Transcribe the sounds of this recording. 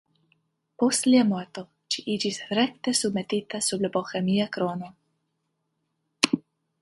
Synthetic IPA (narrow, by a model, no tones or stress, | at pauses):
postliamoɾt̪o̞ | ʃiʔid͡ʒisɾek̚t̪esubmet̪it̪asublaboxemiakɾono